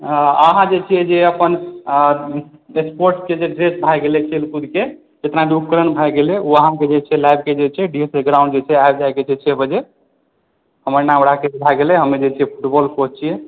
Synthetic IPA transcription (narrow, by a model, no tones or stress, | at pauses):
əɦãd͡ʒet͡ʃʰijɛd͡ʒeəpən | ekspoɾʈsked͡ʒeɖɾesbʱajɡelɛkʰelkud̪ʱke | d͡ʒet̪naɖuk̚kəɾənbʱajɡelɛuəɦãked͡ʒet͡ʃʰɛlajb̚ked͡ʒet͡ʃʰɛɖieseɡɾaw̃ɳɖd͡ʒet͡ʃʰɛajbd͡ʒajked͡ʒet͡ʃʰɛbəd͡ʒe | ɦəməɾnãmɾakesebʱaɡelɛɦəmːed͡ʒet͡ʃʰɛjɛpʰuʈbɔlpod͡ʒt͡ʃʰijɛ